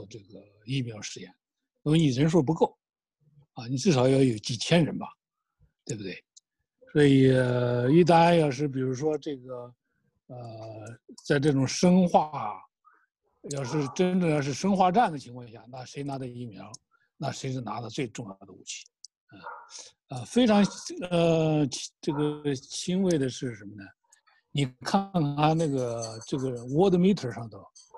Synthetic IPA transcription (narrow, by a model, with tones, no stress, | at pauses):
ɔ˧˩ʈ͡ʂɤ˥˩ɡə˩ | i˥˩mjɑ˧˥ʊʂɻ̩˥˧jɛ˥˩n | a˥˩wni˨˩ə˧˥nʂ̬wɔ˥˩p̬u˧˥ko˥˩ʊ | a˧˩ni˨˩ʈ͡ʂɻ̩˥˩ʂɑ˧˥ʊjɑ˧˥ʊjo˧˥ʊt͡ɕi˨˩t͡ɕʰjɛ˥nɻə˧˥nbɐ˨ | t̪we˥˩bu˩t̪we˥˩ɪ | swɔ˧˥i˨˩ə˧i˥˩t̪̬a˥njɑ˥˧ʊʂɻ̩˥˩p̬i˨˩ɻu˧˥ʂwɔ˥ʈ͡ʂɤ˥˩ɡə˩ | ə˧ | t͡sa˥˧ɪʈ͡ʂɤ˥˩ʈ͡ʂʊ˨˩ŋʂə˥ŋxwa˩˥˩ | jɑ˥˧ʊʂɻ̩˥˩ʈ͡ʂə˥nʈ͡ʂɤ˥˧ŋjɑ˥˧ʊʂɻ̩˥˩ʂɤ˥ŋxwa˥˧ʈ͡ʂa˥˩nd̪ə˩t͡ɕʰi˧˥ŋkʰwɑ˥˧ŋɕja˥˩na˥˩ʂe˧˥ɪna˧˥d̪ə˧i˥˩mjɑ˧˥ʊ | na˥˩ʂe˧˥ɪʂ̬̩˥˩na˧˥lə˧t͡swe˥˧ɪʈ͡ʂʊ˥˧ŋjɑ˥˩d̪ə˩˧ṵ˥˩t͡ɕʰi̥˥˩ | ə˥˧ | ə˥˧fe˥ɪʈ͡ʂʰɑ˧˥ŋə˥˧ʈ͡ʂɤ˥˩ɡə˩t͡ɕʰi˥nwe˥˩ɪd̪ə˩ʂɻ̩˥˩ʂə˧˥nmə˧nə˩ | ni˨˩kʰa˥˩˧ŋʰa˥˧nna˥˩ɡə˩ʈ͡ʂɤ˥˩ɡə˩wɔ˥d̪ə˧˨mi˥t̪ʰə˨˩ʂɑ˥˧ŋt̪o˥˩